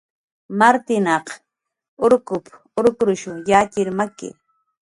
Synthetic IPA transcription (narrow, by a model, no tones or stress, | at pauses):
maɾt̪ɪnɑq | ʊɾkʊp | ʊɾkɾʊʃʊjaːkɪɾmakɪ̰